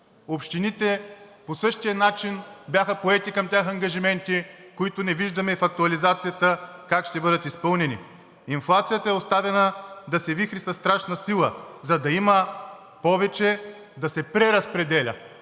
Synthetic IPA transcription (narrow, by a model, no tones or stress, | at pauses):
opʃt̪init̪ɛposɤʃt̪ijənat͡ʃinbʲjaxəpoɛt̪ikɐmt̪ʲjaxɐŋɡɐʒimɛnt̪ikoit̪ʊnɛviʒd̪ɐmɛfɐk̚t̪uɐlizat̪sijət̪əkakʃt̪ɛbɤd̪ət̪ispɤlˠnɛnḭ | inflˠat̪sijət̪ɐɛost̪avɛnəd̪ɐsɛvixɾisɐsːt̪ɾaʃnɐsilˠəzɐd̪ɐimə | pɔvɛt͡ʃɛ | d̪ɐsɛpɾɛɾɐspɾɛd̪ɛlʲɐ̰